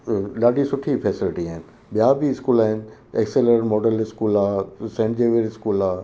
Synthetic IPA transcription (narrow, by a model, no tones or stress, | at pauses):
laːɖisʊʈʰifɛːsɪlɪʈiaːɦɪnɪ̆ | ɓijabiɪskuːlaːɦɪnɪ̆eːkseləɾmoːɖəlɪskuːlaːsẽːɳʈd͡ʑeːʋeɾɪskuːlaː